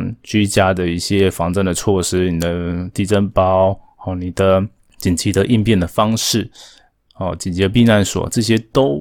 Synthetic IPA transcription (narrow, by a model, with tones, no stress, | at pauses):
t͡ɕy˥t͡ɕja˦˥d̪ə˨i˥˩ɕjɛ˦fɑ˧˥ŋt͡sə˥˧ŋd̪ə˨t͡sʰwɔ˥˩ʂɻ̩˥ni˨˩d̪ə˦t̪i˥˩t͡sə˥npɑ˦ʊ | ɔ˧˩ni˨˩d̪ə˦ | t͡ɕi˨˩nt͡ɕʰi˧˥d̪ə˧˦ʔi˥˧npjɛ˥˩nd̪ə˩fɑ˥ŋʂɻ̩˥˩ | ɔ˨˩t͡ɕi˨nt͡ɕi˨˥p̬i˥˧na˥˩nswɔ̰˨˩ʈ͡ʂɤ˥˩ɕjɛ˥t̪o˥ʊ